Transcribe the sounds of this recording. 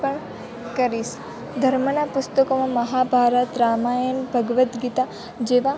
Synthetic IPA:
pəɳ | kəɾis | d̪ʱəɾmənapʊst̪əkomãmɐɦabʱaːɾət̪ɾaːmajənbʱəɡʋət̪ɡit̪a | d͡ʒeʋa

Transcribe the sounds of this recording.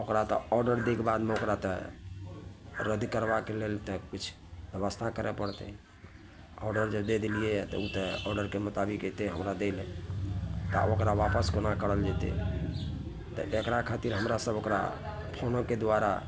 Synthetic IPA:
okɾat̪ɔ̰ɔɾɖəɾd̪ekbad̪meokɾat̪ɔ | ɾəd̪ikəɾbakelelt̪ɔkit͡ʃʰ | bjəβəst̪ʰakəɾepəɽt̪ɛ | ɔɾɖəɾd͡ʒəbd̪ed̪ilijet̪ɔ̰ut̪ɔɔɾɖəɾkemut̪abiket̪eɦəmɾad̪elɛ | t̪a̰okɾaʋapəskonakəɽəld͡ʒɛt̪ḛ | t̪ɔ̰ʔekɾakʰat̪iɾɦəmɾasəbokɾa̰ | pʰonoked̪waɾa̰

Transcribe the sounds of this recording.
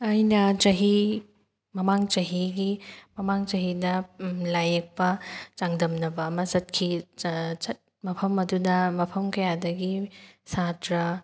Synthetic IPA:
ajnɐt͡ʃɐɦi | mɐmaŋt͡ʃɐɦiɡimɐmaŋt͡ʃɐɦidɐlajek̚pɐt͡ʃaŋdɐmnɐbɐːmɐzɐt̚kʰi | t͡ʃɐt̚mɐpʰɐmɐdudɐmɐpʰɐmkɐjadɐɡisatɾɐ

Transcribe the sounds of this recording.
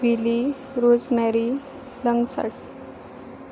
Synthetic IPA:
ʋili | ɾod͡zmɛɾi | ləŋɡsa̰ʈ

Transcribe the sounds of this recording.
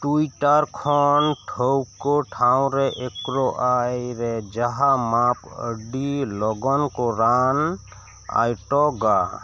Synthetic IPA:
ʈuiʈəɾkʰɔnʈʰowkoʈʰaʊ̃ɾeʔekɾoʔajɾɛd͡ʒəɦamapə̰ɖilɔɡɔnkoɾan | a̰jʈɔɡa

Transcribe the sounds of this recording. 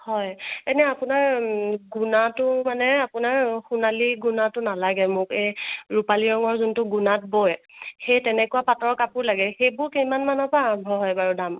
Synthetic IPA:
hɔjɛnɛapʊnaɹɡunatʊmanɛapʊnaɹxunaliɡunatʊnalaɡɛmʊkejɹupaliɹɔŋɔɹzʊntʊɡunat̚bɔjxejtɛnɛkuwapatɔɹɔkapʊɹlaɡɛxejbʊɹkimanmanɔpaːbʱɔɦɔjbaɹudam

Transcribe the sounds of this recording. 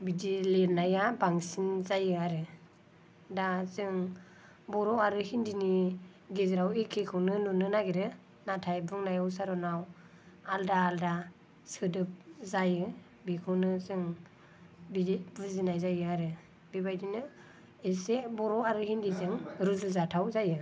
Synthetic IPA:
bidilenajabaŋsinzajɯaɾɯ | dazɯŋ | bɔɾɔaɾɯhindini | ɡezɾawekʰekʰɯwnɯnunɯnaɡeɾɯ | natʰajbɯŋnajawsaɾɔnaw | aldaːlda | sɯdɯp̚zajɯ | bikʰɯwnɯzɯŋ | bibɯzinajzajɯaɾɯ | bibajdinɯ | esebɔɾɔaɾɯhindizɯŋɾuzɯlzatʰawzajɯ

